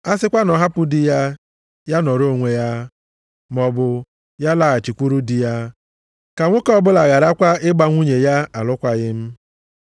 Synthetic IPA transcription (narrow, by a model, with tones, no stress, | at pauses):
a˦sɪ˦kʷa˦nɔ˨ɦa˦pʊ˦dɪ˨ja˦ | ja˦nɔ˨ɾo˦˨ŋʷe˨ja˦ | mɔ˨bʊ˨ | ja˦la˨a˨t͡ʃi˨kʷu˦ɾu˦dɪ˨ja˦ | ka˨ŋʷʊ˦kɔ˦bʊ˦la˨ɣa˨ɾa˦kʷa˦ɪ˦ɡ͡ba˦ŋʷu˦ɲe˨ja˦a˨lʊ˦kʷa˦ɣɪ˦m̩˦